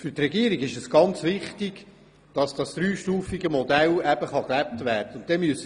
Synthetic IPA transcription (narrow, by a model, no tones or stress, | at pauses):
fɵrtrɛɡiəɾiɡɪʃɛsɡ̥ɑnt͡sʋɪχtɪɡ̥ | d̥ɑsd̥ɑsd̪̥ɾyːʃtuːfiɡəmɔdælæb̥əχɑklæp̚tvæːrdəʊnd̥ɛmyəsə